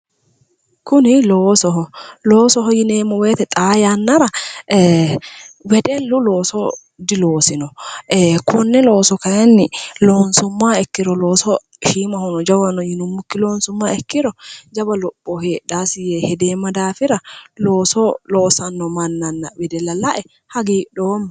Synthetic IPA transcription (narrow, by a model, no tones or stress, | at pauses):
kʊnɪloːsɔhɔloːsɔɦɔjɪneːmɔweːt̪ɛt̪ʼaːjanːɐɾɐ | wɛd̪ɛlːʊlo̞ːsɔ | d̪ɪloːsɪnɔ | kʰʊnːɛlo̞ːsɔkɐjɛnːɪlo̞ːnsʊmːaːɛkːɪɾɔlo̞ːsɔ | ʃiːmɐhɔnɔd͡ʒɐwɐnːɔjɪnʊmːʊkːɪlo̞ːnsʊmːaɛkːɪɾɔd͡ʒɐbɐlɔpːɔheːɗaːsɪjehɛd̪eːmːɐd̪aːfɪɾɐloːsɔloːsɐnːɔmɐnːɐnːɐwɛd̪ɛlɐlɐʔɛ | hɐɡiːɗoːm